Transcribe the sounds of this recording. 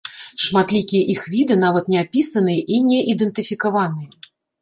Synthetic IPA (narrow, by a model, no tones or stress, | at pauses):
ʂmat̪lʲikʲijɛʔixvʲid̪ɨn̪avɐt̪nʲɛapʲisɐnɨjɛʔinʲɛʔid̪ɨnt̪ɨfʲikavanɨjɐ